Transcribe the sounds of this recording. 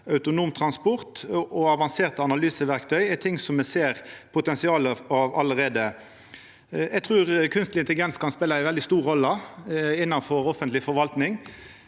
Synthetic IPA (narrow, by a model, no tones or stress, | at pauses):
œʉt̪ʊnuːmt̪ʰʁɑnspɔʁt̪ʔɔɑʋɑnseːʁt̪əɑnɑlyːsəʋæʁkt̪ʰœʏɛt̪ʰɪŋsɔmmɛseːʁpʰʊt̪ɛnsɪɑːləɑʋɑləʁeːd̪ə | ɛɡ̚t̪ʰʁʉːʁkʰʉnst̪lɪnt̪əlɡɛnskɑnspeːləæɪʋɛld̪ɪst̪uːɾːɔlːəɪnːɑnfɔɾɔfənt̪lɪfɔɾʋɑlt̪nɪŋ